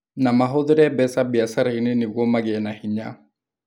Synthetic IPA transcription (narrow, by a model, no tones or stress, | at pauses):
namaɦoðʊɾɛbɛsabiasaɾainenɪɣɔmaɣeɛnahiɲa̰